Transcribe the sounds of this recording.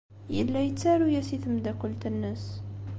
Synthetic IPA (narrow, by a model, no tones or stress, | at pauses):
jəlːæjət͡sːæɾujæsiθəmd̪ækəlt̪ənːəs